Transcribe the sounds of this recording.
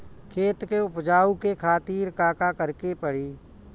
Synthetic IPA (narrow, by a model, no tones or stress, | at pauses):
kʰeːt̪keʊpd͡ʒaːukekʰaːt̪iːɾkaːkakəɾkepəɽiː